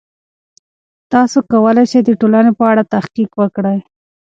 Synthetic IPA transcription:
t̪ɑsokawəlajʃejd̪əʈolanepəaɽat̪ahqiqwəkɽəj

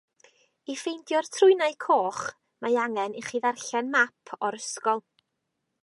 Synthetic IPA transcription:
ifejndjɔrtʰrʊjnajkʰoːχ | majaŋɛniχiðarɬɛnmapʰɔɾəskɔlˠ

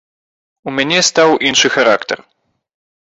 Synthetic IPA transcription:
umʲɲʲɛst̪awʔinʂɨxaɾakt̪ɛ̰ɾ

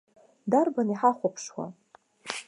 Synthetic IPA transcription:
darbaniħaχʷapʰʂwa̰

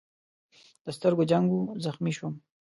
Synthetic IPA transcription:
d̪̥əst̪əɾɡod͡ʒaŋɡuzaxmiʃwum

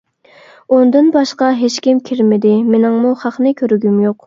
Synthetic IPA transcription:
ond̪ɨnbɑʃqɑɦet͡ʃkʲimkʲʰiɾmɪd̪ɪmenɪŋmuχɑχnɨkʲʰøɾyɡʲymjoq

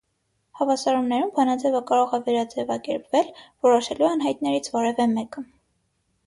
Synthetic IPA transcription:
hɑvɑsɑɾumnɛɾumbɑnɑd͡zɛvəkɑɾɔʁɛvɛɾɑd͡zɛvɑkɛɾpvɛlvɔɾɔʃɛluɑnɦɑjt̪nɛɾit͡sʰvɔɾɛvɛmɛkə

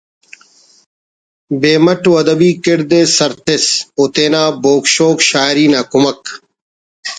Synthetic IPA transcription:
beːmɐʈuːɐd̪ɐbiːkeɽd̪eːsɐɾt̪esoːt̪eːnaːboːkɕoːkɕaːɾiːnaːkumɐk

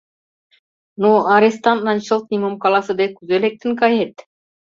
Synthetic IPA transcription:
nuaɾest̪ant̪̚nanʲt͡ʃəlt̪̚nʲimomkɑlˠɑsə̆d̪ekuzelek̚t̪ə̆nkɑjet̪

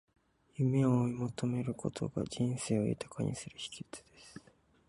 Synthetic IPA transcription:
jɯme̞oimo̞t̪o̞me̞ɾɯ̟kʰo̞t̪ʰo̞̰ɡa̰d͡ʑĩñse̞ːoḛt̪ʰḁkʰaɲ̟ʔḭsɨɾɯ̟çi̥kʲi̥t͡sɨ̥d̪e̞sɨ̥

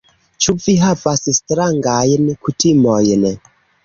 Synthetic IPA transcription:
t͡ʃuviɦavasstɾaŋɡajnkutimojn

